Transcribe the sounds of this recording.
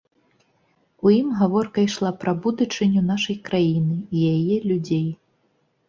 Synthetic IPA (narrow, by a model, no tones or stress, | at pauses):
ujimɣavɔrkɐjʂlˠapɾɐbud̪ɐt͡ʂɨnʲun̪aʂɐjkɾajinɨijajɛlʲud͡zʲej